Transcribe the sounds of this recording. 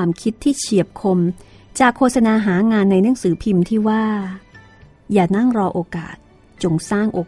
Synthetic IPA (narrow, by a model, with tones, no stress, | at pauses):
mkʰi˦˥t̪ʰːiː˥˩t͡ɕʰi˨˩əp̚kʰo˧m | t͡ɕaː˨˩kʰːoː˧t̪̚sa˧naː˧ɦaː˩˦ŋaː˧nːa˧jnɯ˦˥əŋsɯː˩˦pʰi˧mt̪ʰiː˥˩waː˥˩ | jaː˨˩na˥˩ŋɾɔː˧ʔoː˧ka̰ː˨˩t̪̚ | t͡ɕo˧ŋsaː˥˩ŋʔoː˧